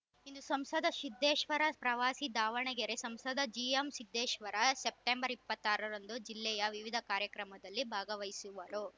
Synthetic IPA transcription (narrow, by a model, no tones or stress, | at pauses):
ind̪usɐmsɐd̪ʱɐʃid̪ːeːʃʋɐɾɐpɾɐʋaːsid̪aːʋɐɳɛɡeɾesɐmsɐd̪ʱɐd͡ʒijɐmsid̪ːeːʃʋɐɾɐsep̚ʈembɐɾipːɐt̪ːaːɾɐɾɐnd̪ud͡ʒilːɛjɐʋiʋid̪ʱɐkaːɾjɐkɾɐmɐd̪ɐlːibʱaːɡɐʋɐjsuʋɐɾu